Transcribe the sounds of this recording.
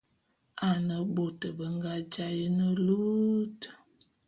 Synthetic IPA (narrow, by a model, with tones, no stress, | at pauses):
a˨nə˨bo˨tə˨bə˦ŋɡa˦d͡ʒa˦jə˦nə˦lu˦t